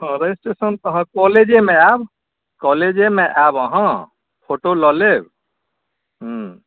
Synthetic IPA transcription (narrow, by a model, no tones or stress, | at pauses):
ɦə̃ɾesʈesənt̪əɦə̃kɔled͡ʒemẽab | kɔled͡ʒemeʔabəɦə̃ | pʰoʈolɔleb | ɦũ